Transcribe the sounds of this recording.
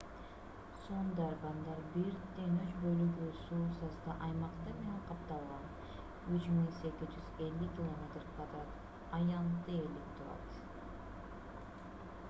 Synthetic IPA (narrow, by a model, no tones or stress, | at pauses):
sond̪ɑɾbɑnd̪ɑɾbiɾd̪enyt͡ʃbølyɡysuːsɑst̪ɑʔɑjmɑqt̪ɯmeneɴqʰɑp̚t̪ɑlˠʁɑn | yt͡ʃmiŋse̞kʲizd͡ʒyze̞lːykʲɪlˠomʲet̪rkvad̪ɾɑt̪ | ɑjɑnt̪ːɯelip̚t̪ʰuɾɑ̰t̪